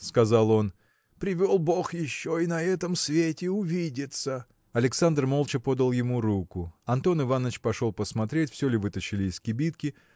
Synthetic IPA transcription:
skɐzalˠo̞n | pɾʲɪvʲolˠbo̞xjɪɕːo̞inɐɛt̪əmsvʲetʲɪʊvʲidʲɪt̪sə | ɐlʲɪksand̪rmo̞lˠt͡ɕɪpo̞d̪əlˠjɪmuɾukʊɐnt̪o̞nɨvanːət͡ɕpɐʂo̞lˠpəsmɐt̪ɾʲetʲfsʲɵlʲɪvɨt̪əɕɪlʲɪːskʲɪbʲit̪kʲɪ

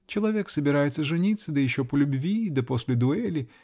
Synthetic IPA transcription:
t͡ɕɪlˠɐvʲeksəbʲɪɾajɪt̪səʐɨnʲit̪sːəd̪əjɪɕːo̞pəlʲʊbvʲid̪əpo̞sʲlʲɪd̪ʊɛlʲɪ

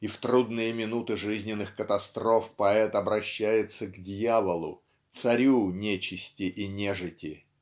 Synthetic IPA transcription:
ift̪ɾud̪nɨjəmʲɪnut̪ɨʐɨzʲnʲɪnːɨxkət̪ɐst̪ɾo̞fpɐɛt̪ɐbɾɐɕːæjɪt̪səɡdʲjavəlˠʊ̰ | t̪sɐɾʲunʲet͡ɕɪsʲtʲɪʔinʲeʐɨtʲɪ

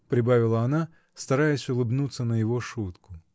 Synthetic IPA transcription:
pɾʲɪbavʲɪlˠəɐna | st̪ɐɾajɪsʲʊlˠɨbnut̪sːənəjɪvo̞ʂut̪kʊ

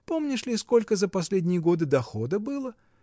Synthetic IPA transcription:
po̞mnʲɪʂlʲɪsko̞lʲkəzəpɐsʲlʲedʲnʲɪjəɡo̞d̪ɨd̪ɐxo̞d̪əbɨlˠə

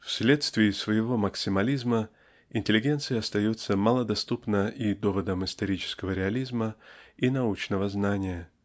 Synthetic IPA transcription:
fsʲlʲe̞t̪st̪vʲɪɪsvəjɪvo̞mɐksʲɪmɐlʲizmə | ɪnʲtʲɪlʲɪɡʲe̞nt̪sɨjɪɐst̪ɐjut̪səmalˠəd̪ɐst̪upnəʔid̪o̞vəd̪əmɪst̪ɐɾʲit͡ɕɪ̥skəvəɾʲɪɐlʲizməinɐut͡ɕnəvəznanʲɪjə

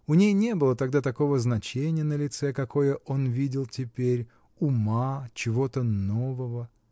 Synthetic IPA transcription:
ʊnʲejnʲe̞bɨlˠət̪ɐɡ̚d̪at̪ɐko̞vəznɐt͡ɕenʲɪjənəlʲɪt̪sɛkɐko̞jəʔo̞nvʲidʲɪlˠtʲɪpʲeɾʲ | ʊmat͡ɕɪvo̞t̪əno̞vəvə

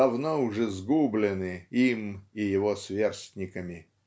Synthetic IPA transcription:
ɐvnoʊʐɛzɡublʲɪnɨimɪjɪvosvʲersʲtʲnʲɪkəmʲɪ

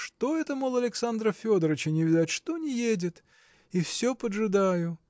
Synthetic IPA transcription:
ʂt̪oɛt̪əmolˠɐlʲɪksand̪ɾəfʲo̞d̪əɾət͡ɕɪnʲɪvʲɪd̪ʲatʲʂt̪onʲɪjedʲɪt̪ | ifsʲopədʐɨd̪ajʊ

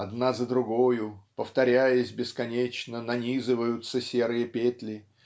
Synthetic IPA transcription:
ɐd̪nazəd̪ɾʊɡojʊpəft̪ɐɾʲæjəsʲbʲɪskɐnʲet͡ɕnənɐnʲizɨvəjʊt̪səsʲe̞ɾɨjəpʲet̪lʲɪ

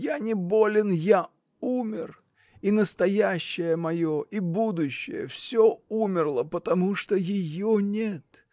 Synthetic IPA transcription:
janʲɪbolʲɪnja | umʲɪr | inəst̪ɐjæɕːɪjəmɐjoʔibud̪ʊɕːɪ̰jə̰fsʲoumʲɪrlˠəpət̪ɐmuʂt̪ojɪjonʲet̪

